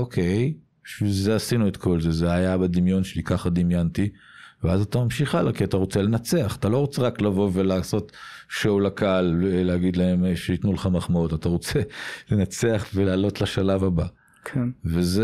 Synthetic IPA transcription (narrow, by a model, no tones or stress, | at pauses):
okʰe̞j | b̥iʃvilzeasinuet̪ko̞lzezeajabad̪imjo̞nʃelikaχad̪imjant̪i | veazat̪amamʃiχalakiat̪aʁo̞t͡se̞le̞nat͡seaχḁt̪alo̞ʁo̞t͡seʁaklavo̞ve̞laːso̞t̪ʃoulakaalleaɡid̪lae̞mʃeit̪nulχamaχmaotataʁo̞t͡se̞lenat͡se̞aχvelaːlo̞tlaʃalavaba | kʰeveze